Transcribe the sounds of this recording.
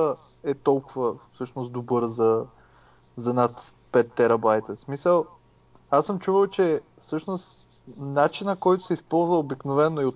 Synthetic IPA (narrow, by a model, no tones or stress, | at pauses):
ə | ɛt̪ɔlˠkʊvəfsɤʃnosd̪obɤɾzɐ | zɐnat̪ | pɛt̪ːɛɾɐbajt̪əsmisəlˠ | asːɤmt͡ʃuvəlˠt͡ʃɛfsɤʃnost̪ | nat͡ʃinəkɔjt̪ʊ̥sɛispɔlˠzvəobiknovɛnːoiot̪